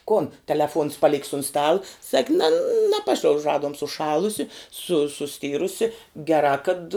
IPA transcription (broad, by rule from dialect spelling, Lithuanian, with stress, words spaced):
ˈkoːn tʲɛlʲɛˈfuɔns pɐˈlʲɪkʲs ʊn ˈstɑːlˠɐ sɐkʲ nʲɛ nɐˈpɑːʃʲlʲɛʊʃ ˈrɑːduɔm sʊˈʃɑːlˠʊsʲɪ sʊ sʊˈsʲtʲɪrʊsʲɪ ɡʲɛˈrɑː kɐt